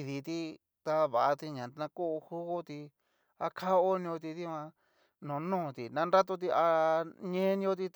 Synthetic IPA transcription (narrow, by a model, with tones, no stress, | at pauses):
ði˧t̪i˦ | t̪a˧βa˨a˧t̪i˧ɲã˨nã˧ku˦˧hu˦ɣo˦t̪i˧ | a˧kʰa˦o˦nĩ˧o˧t̪i˧t̪i˦˧ã˧ | nõ˨˦nũː˦˨t̪i˨nã˧nɾa˦t̪̬o˧t̪̬i˧a˧ɲẽ˦nĩ˧o˧t̪̬i˧